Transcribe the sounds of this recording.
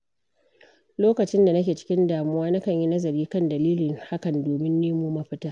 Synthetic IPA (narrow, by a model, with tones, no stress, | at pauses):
loː˦kɐ˨t͡ʃɪ˦nda˨nɐ˦kʲeː˨t͡ʃɪ̥˦kʲɪ˦ndaː˨mʊ˦waː˦nɐ˦kɐ˦˨ɲji˦nɐ˦zɐ˨ɾiː˦kɐ˦˨ndɐ˨liː˦lɪ˨ŋha˦kɐ˨ndoː˨mɪ˦nːeː˦moː˦ma˦ɸɪ˦taː˦